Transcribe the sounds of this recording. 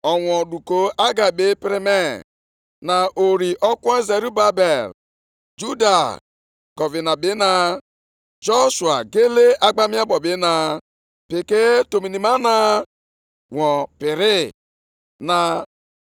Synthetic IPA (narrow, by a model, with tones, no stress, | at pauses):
ɔ˨ŋʷɔ˨du˨ko˦ʔa˦ɡa˨be˦pɾi˦me˦˨ | na˨ʔo˨ɾi˨ʔɔ˦kʷɔ˦e˦ze˨ɾu˦ba˦be˨l | d͡ʒu˦da˨ | ɡ̥ɔ˨vi˨na˨bɪ˦na˨ | d͡ʒo˦ʃwa̰˨ɡe˦le˦ʔa˦ɡ͡ba˦mi˦a˦bɔ˨bɪ˦na˨ | pɪ˨ke˦to˨mi˨ni˨ma˦na˨ | ŋʷɔ˨pɪ˨ɾɪ˦ | na˨